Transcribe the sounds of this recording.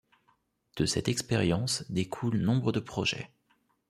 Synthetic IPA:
d̪̥əsɛt̪ɛkspeʁjɑ̃sd̪ekʰulnɔ̃bʁəd̪əpχɔʒɛ̰

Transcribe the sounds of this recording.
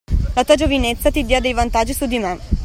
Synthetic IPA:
lat̪uːad͡ʒovinet̪sːat̪id̪ead̪ejvant̪ad͡ʒːisud̪imɛ

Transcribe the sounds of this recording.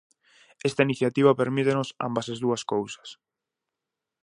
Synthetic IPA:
est̪ainiθjat̪iβɐpeɾmit̪enʊsa̰mbasezðuɐskowsɐ̥s

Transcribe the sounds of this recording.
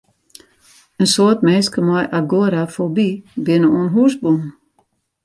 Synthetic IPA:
ensot̪mɛskəmɑɪʔaɡoːɾafɔbiːbɪnəunɦusbun

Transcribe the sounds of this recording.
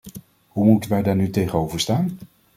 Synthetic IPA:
ɦumutənʋɛjdaːɹnytejχənowvəɹstaːn

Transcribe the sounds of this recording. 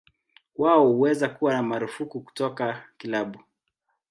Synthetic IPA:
waɔhuwɛzakuwanamaɾufukuku̥tɔkakilaɓu

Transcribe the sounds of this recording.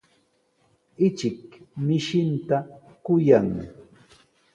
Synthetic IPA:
ɪt͡ʃɪkmɪʃɪnt̪a | kʊjaŋ

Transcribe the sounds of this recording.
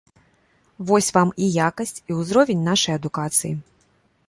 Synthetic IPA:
vɔsʲvamijakɐsʲt͡sʲiwzɾɔvʲenʲnaʂɐjɐd̪ukat̪sɨjḭ

